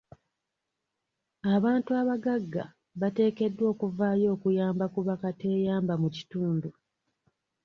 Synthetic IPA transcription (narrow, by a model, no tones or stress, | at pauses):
aβaːntuaβaɡaɡːa̰ | βate̞ːke̞dːwo̞ːkuvaːjo̞ːkujaːmbakuβakate̞ːjaːmbamuci̥tuːndu